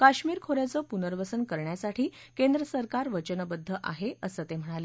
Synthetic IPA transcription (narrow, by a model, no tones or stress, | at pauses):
kaɕmiːɾkʰoɾjat͡səːpunəɾʋəsənkəɾɳjasaʈʰiː | kend̪ɾəsəɾkaɾʋət͡ɕənəbəd̪ʱːəʔa̰ɦeəsəːt̪em̤əɽ̃ale